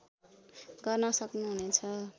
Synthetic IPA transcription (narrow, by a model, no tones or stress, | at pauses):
ɡʌrnʌsʌknuɦunet͡sʰʌ